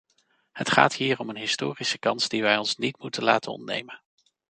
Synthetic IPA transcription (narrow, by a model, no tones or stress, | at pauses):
hətχa̰ːtɦiːɹɔmənɦɪstoːrisəkɑnsdiʋɛjɔnsnitmutəlaːtə̰nɔ̰ntnḛjmən